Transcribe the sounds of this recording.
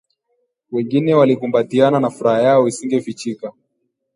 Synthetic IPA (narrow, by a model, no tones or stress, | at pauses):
wɛŋɡinɛwalikumbatiananafuɾahajaɔisiŋɡɛfit͡ʃika